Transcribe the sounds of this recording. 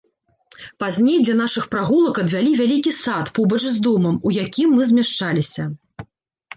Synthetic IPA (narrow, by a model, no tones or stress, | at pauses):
pazʲnʲejd̪lʲɐnaʂɨxpɾaɣulˠɐkɐd̪vʲalʲivʲalʲikʲisat̪pɔbɐt͡ʂzʲd̪ɔmɐmujakʲimːɨzʲmʲaʂt͡ʂalʲisʲɐ